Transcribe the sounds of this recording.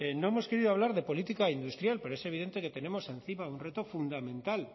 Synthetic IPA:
eno̞emo̞ske̞ɾiðoaβ̞laɾðe̞po̞lit̪ikaind̪ust̪ɾjalpe̞ɾoe̞se̞β̞iðe̞nt̪eke̞t̪e̞ne̞mo̞se̞nθimaunre̞t̪o̞fund̪amẽ̞nt̪al

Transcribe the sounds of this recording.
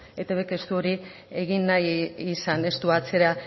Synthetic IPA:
e̞t̪aβeke̞st̪uo̞ɾi | e̞ɣinːajːsane̞st̪uat͡se̞ɾa

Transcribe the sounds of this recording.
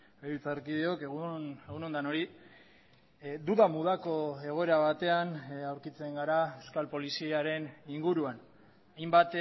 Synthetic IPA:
beɾut͡saɾkiðeo̞keɣueɣuno̞nd̪ano̞ɾi | d̪uðamuð̞ako̞e̞ɣ̞o̞eɾaβ̞at̪e̞anawɾkit͡se̞ŋɡaɾaewskalpo̞lisiaɾe̞niŋɡuɾuan | ajmbat̪

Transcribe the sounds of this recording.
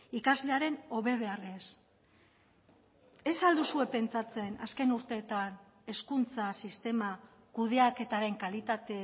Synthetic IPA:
ikazle̞aɾe̞no̞βe̞βe̞ares | e̞sald̪usue̞pe̞nt͡sat͡se̞naske̞nuɾt̪e̞ːt̪an | e̞skunt͡sasist̪e̞ma | kuðe̞ake̞t̪aɾe̞ŋkalit̪at̪e̞

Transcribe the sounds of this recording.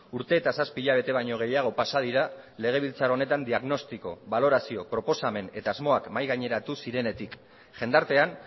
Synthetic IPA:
uɾt̪e̞ːt̪asaspiːʎaβ̞e̞t̪e̞β̞ajɲo̞ɣ̞e̞jaɣ̞o̞pasað̞iɾa | le̞ɣ̞e̞β̞ilt͡saɾo̞ne̞t̪and̪iaɣno̞st̪iko̞βalo̞ɾasio̞pɾo̞po̞same̞ne̞t̪aːzmo̞akmajɣaɲe̞ɾat̪usiɾe̞ne̞t̪ik | ʝe̞nd̪aɾt̪e̞an

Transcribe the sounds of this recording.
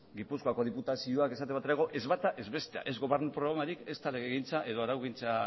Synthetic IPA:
ɡipuskoako̞ðiput̪asio̞ake̞sat̪eβat̪eɾeɣo̞ʔe̞zβat̪aʔezβe̞st̪ea̰ʔe̞zɣo̞βe̞ɾnupɾoɣɾamaɾike̞st̪ale̞ɣeɣint͡saʔe̞ðo̞aɾawɣint͡sa

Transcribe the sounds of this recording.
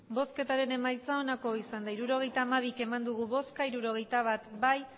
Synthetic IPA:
bo̞ske̞t̪aɾe̞ne̞majt͡sao̞nako̞isand̪aiɾuɾo̞ɣ̞e̞jt̪aːmaβ̞ike̞mand̪uɣ̞uβo̞skaiɾuɾo̞ɣ̞e̞jt̪aβ̞at̪baj

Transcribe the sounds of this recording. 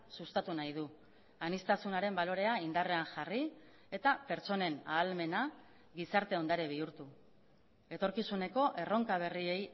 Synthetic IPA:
sust̪at̪unajðu | anist̪asunaɾe̞mbalo̞ɾe̞aind̪are̞aŋʝari | e̞t̪ape̞ɾt͡ʃo̞ne̞na̰ːlme̞na | ɡisaɾt̪e̞o̞nd̪aɾeβ̞iuɾt̪u | e̞t̪o̞ɾkisune̞ko̞ʔe̞ro̞ŋkaβ̞e̞rie̞j

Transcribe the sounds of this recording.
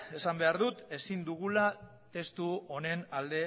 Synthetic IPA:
e̞sambe̞aɾðut̪e̞sind̪uɣula | t̪e̞st̪uo̞ne̞nald̪e̞

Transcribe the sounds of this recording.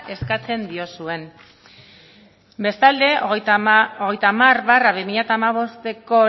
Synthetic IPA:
ʔe̞skat͡se̞nd̪io̞sue̞n | be̞st̪ald̪e̞ | oɣe̞jt̪aːmarβaraβimiʎat̪aːmaβ̞o̞st̪e̞ko̞

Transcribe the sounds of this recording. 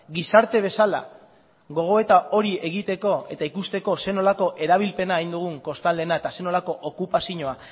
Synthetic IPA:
ɡisaɾt̪e̞β̞e̞sala̰ | ɣo̞ɣ̞o̞e̞t̪ao̞ɾie̞ɣ̞it̪e̞ko̞e̞t̪aikust̪e̞ko̞se̞no̞lako̞ʔe̞ɾaβ̞ilpe̞naːjnd̪uɣ̞uŋko̞st̪ald̪e̞nae̞t̪ase̞no̞lako̞ʔokupasiɲo̞a

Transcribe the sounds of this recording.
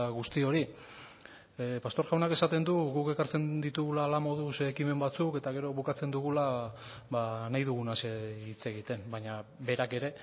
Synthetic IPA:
ɣust̪io̞ɾi | past̪o̞ɾʝawnake̞sat̪e̞nd̪uɣuke̞kaɾt͡se̞nd̪it̪uɣulaːlamo̞ð̞usekime̞mbat͡suke̞t̪aɣ̞e̞ɾo̞βukat͡se̞nd̪uɣ̞ulaβanajðuɣunaseit͡se̞ɣit̪e̞mbajɲaβe̞ɾake̞ɾe̞

